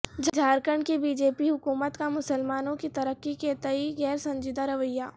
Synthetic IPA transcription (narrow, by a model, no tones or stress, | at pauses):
d͡ʒʱd͡ʒʱaːɾkəɳɖkibiːd͡ʒeːpiɦʊkuːmət̪kamʊsəlmaːnõkit̪ɐɾəkːiket̪ɐiɡɛːɾsɐ̃ɲd͡ʒɪd̪aɾɐʋəjːaː